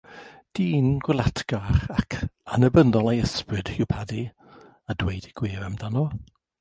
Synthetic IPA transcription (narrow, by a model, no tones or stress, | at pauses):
d̥iːnɡ̥wɪlˠatʰɡ̥aχakʰanəbəndɔlˠajəsprɨd̥hɪwpʰadi | adwejdiɡ̥wɪːɾamdanɔ